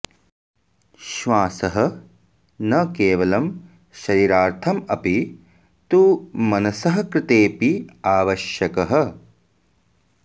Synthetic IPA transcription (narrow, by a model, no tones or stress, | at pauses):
ʃʋaːsɐɦɐ̆ | nɐkeːʋɐlɐm | ʃɐɾiːɾaːɾt̪ʰɐmɐpi | t̪uːmɐnɐsɐɦɐ̆kɾɪt̪eːpiaːʋɐʃjɐkɐɦɐ̆